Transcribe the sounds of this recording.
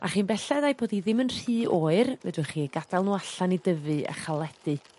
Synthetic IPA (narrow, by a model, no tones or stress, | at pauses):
a̰χiːnbɛɬɛðajboːdiðɪmənr̥iːoːɨrvɛ̰dʊχiːɡad̥alˠnuːaɬanidəvɨa̰χalˠɛd̥ɨ